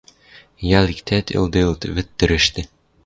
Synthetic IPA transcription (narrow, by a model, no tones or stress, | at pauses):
jɑlikt̪ʰæt̪ʰɪ̰lˠd̪ɤlˠt̪βɘ̆t̪ːɘ̆ɾɘ̆ʃt̪ɘ